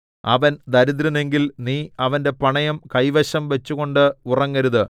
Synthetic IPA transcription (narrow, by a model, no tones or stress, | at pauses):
ɐ̰ʋɐnd̪ɐɾuðɾɐne̞ŋɡilniːɐʋɐnde̞pɐɳɐjɐmkɐjʋɐɕɐmʋet͡ɕːuɣo̞ɳɖɨurɐŋːɐɾuðɨ